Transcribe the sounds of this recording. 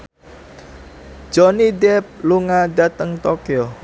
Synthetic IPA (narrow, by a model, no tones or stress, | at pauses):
d͡ʒ̥ɔnidɛp̚luŋaɖat̪əŋt̪ɔkiɔ